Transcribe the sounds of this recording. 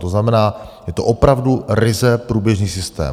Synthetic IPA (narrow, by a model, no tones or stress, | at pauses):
t̪oznamɛnaːjɛt̪oʔopɾavduɾɪzɛpɾuːbjɛʒniːsɪst̪ɛ̰ː